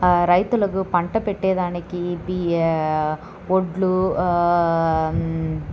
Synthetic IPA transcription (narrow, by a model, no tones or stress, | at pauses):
ɾɐɪt̪ːɯlɐɣɯpɐɳʈɐpɛʈːeːðaːnɐkːibi | ɔɖlu